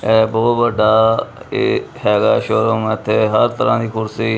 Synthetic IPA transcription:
ɛːbɔːt̪bəɖaːḛːhɛːɡaːʃoːɾomɪt̪ʰːeːɦəɾt̪əɾãːd̪iːkʰʊɾsiː

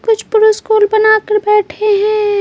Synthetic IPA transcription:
kʊt͡ʃʰpʊɾuskuːlbɐnakəɾbɛːʈʰeɦɛ̃ː

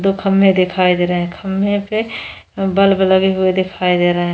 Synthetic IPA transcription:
d̪okʰəmːẽd̪ekʰaid̪eɾəɦɛ̃kʰəmːẽpe | bəlbeləɡiɦʊed̪ekʰaid̪eɾəɦɛ̃

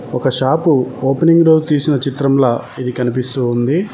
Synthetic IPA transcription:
ɔkɐʃaːpuoːpeniŋɡɾoːd͡ʒut̪iːsinɐt͡ʃit̪ɾɐmlaːid̪ikɐnipist̪uːund̪i

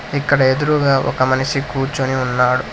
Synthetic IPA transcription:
ikːɐɽɐe̞d̪uɾuɡaːʔɔ̰kɐmɐnɐʃikuːɾt͡ʃuniunːaːɽu

